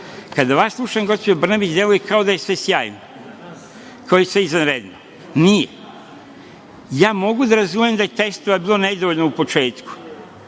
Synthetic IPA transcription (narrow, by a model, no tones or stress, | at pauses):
kad̪aʋaslˠuʃajŋɡo̞spod͡ʒabr̩nabit͡ʃd̪je̞lujekao̞d̪aje̞sʋe̞sjaːjno | kʰaojesʋe̞izanɾed̪no | nije | jaːmo̞ɡud̪aɾazumjemd̪ajet̪est̪oʋabiːlˠo̞ne̞d̪oʋoʎnoupo̞t͡ʃe̞ːt̪ku̥